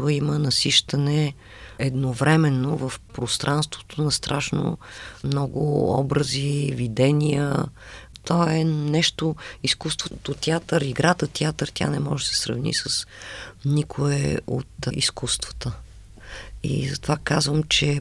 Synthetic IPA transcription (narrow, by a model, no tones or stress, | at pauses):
oimənɐsiʃt̪ɐnɛ | ɛd̪novɾɛmɛnːovəfpɾost̪ɾʔanst̪vo̥t̪onɐst̪ɾʔaʃno̰mnɔɡʊ̰ɔ̰bɾəzivid̪ɛnʲijə̰ | t̪ʰɔɛnɛʃt̪oiskust̪vot̪ot̪ʲiat̪əɾiɡɾat̪ət̪ʲiat̪əɾt̪ʲja̰nɛmɔʒɛsɛ̥sɾə̰vnḭsəsnikʰʊɛo̰t̪ḭskust̪və̥t̪ə | ḭzɐt̪vakazvəmt͡ʃɛ